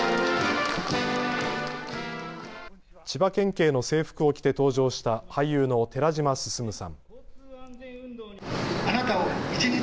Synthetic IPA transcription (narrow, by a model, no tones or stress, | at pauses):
t͡ɕibakẽ̞ŋke̞ːno̞se̞ːɸɯ̟̥kɯ̟o̞kʲi̥t̪e̞t̪o̞ːʑo̞ːɕi̥t̪ahajjɯ̟ːno̞t̪e̞ɾaʑimasɨ̥sɨmɯ̟sã̰ŋ | anat̪aoit͡ɕiɲi